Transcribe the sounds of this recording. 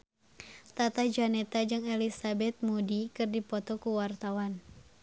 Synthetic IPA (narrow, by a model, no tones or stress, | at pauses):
t̪at̪ad͡ʒanɛt̪ad͡ʒɨŋɛlisabɛt̪̚mudikɨrdipɔt̪ɔkuwart̪awan